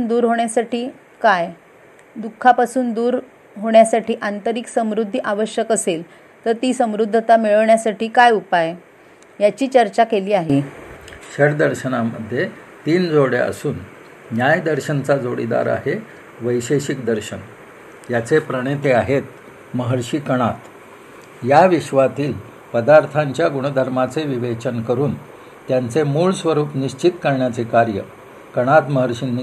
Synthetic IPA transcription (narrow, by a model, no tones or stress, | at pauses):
nd̪uːɾɦoɳjasaʈiː | kaj | d̪ukʰːapasuːnd̪uːɾ | ɦoɳjasaʈiːʔant̪əɾiksəmɾud̪ʱːʔaʋəɕjəkəsel | t̪əɾt̪iːsəmɾud̪ʱːət̪amiɭɳjasaʈiːkajupaj | jat͡ɕiːt͡ɕəɾt͡ɕakeliːaɦe | ɕəɽd̪əɾɕənamə̰d̪ʱːjet̪iːnd͡zoɽḛə̰suːnː | jajd̪əɾɕənt͡sad͡zoɽḭd̪a̰ɾa̰ɦe | ʋəjɕeɕikd̪əɾɕən | jat͡sepɾəɽet̪eaɦet̪̚ | məɦəɾɕiːkəɽ̃at̪ | jaʋiɕʋat̪iːl | pəd̪aɾt̪ʰaɲt͡ɕjaɡuɽ̃əd̪ʱəɾmat͡seʋiʋet͡ɕənkəɾuːn | t̪jant͡semuːɭsʋəɾuːpniɕt͡ɕit̪kəɾɳjat͡sekaɾjə | kəɽ̃at̪məɦəɾɕini